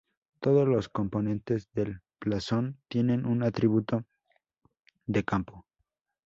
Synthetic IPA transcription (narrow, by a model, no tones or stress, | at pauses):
t̪o̞ðo̞zlo̞sko̞mpo̞nẽ̞nt̪e̞zðe̞lplaso̞nt̪je̞ne̞nunat̪ɾiβut̪o̞ | d̪e̞kampo